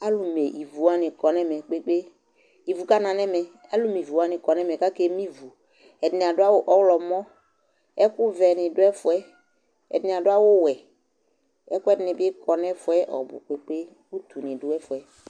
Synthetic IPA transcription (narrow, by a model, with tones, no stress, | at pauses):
a˦lu˨me˨ʔi˨vu˨a˦nɪ̃˨kɔ˨nɛ˦mɛ˨k͡pe˦k͡pe˦ | i˨vu˨ka˦nã˨nɛ̃˦mɛ˨ | a˦lu˦mi˨vu˨a˦nɪ̃˨kɔ˨nɛ˦mɛ˨ka˦ke˦mĩ˦vu˨ | ɛ˨dnɪ˨a˨dʊ˦a˦wʊ˦ʔɔ˦wlɔ˨mɔ̃˦ | ɛ˦kʊ˦vɛ˨nɪ̃˨dʊ˦ɛ˦fʊ˨ɛ˦ | ɛ̰˨dnɪ˨a˨dʊ˦a˦wʊ˦wɛ˨ | ɛ˦kʊ˦ɛ˦dnɪ̃˨bɪ˦kɔ˨nɛ̃˦fʊ˨ɛ˦ʔɔ̰˨bʊ̰˨k͡pe˦k͡pe˦ | u˦t̪u˨nɪ̃˨dʊ˦ɛ˦fʊ˨ɛ˦